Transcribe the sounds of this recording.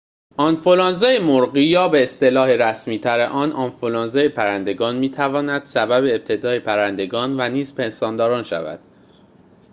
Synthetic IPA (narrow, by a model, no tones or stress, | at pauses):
ʔɒnfolɑːnzejemoɾɢijɒːbe̞ːst̪elɒːhe̞ɾæsmiːt̪ʰæɾeʔɒːnɒːnfolɑːnzejepʰæɾænd̪e̞ɡɒːnmiːt̪ʰævɒːnæd̪̥sæbæbe̞ːb̚t̪ʰe̞d̪ɒːe̞pʰæɾænd̪e̞ɡɒːnvæniːzpe̞nsɒːnd̪ɒːɾɒːnʃæ̰væ̰d̪̥